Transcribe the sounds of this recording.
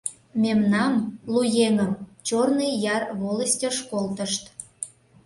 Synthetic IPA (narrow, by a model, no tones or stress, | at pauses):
mʲemnɑmlujeŋəmt͡ɕornəjjɑrβoləsʲtʲəʃkolt̪əʃt̪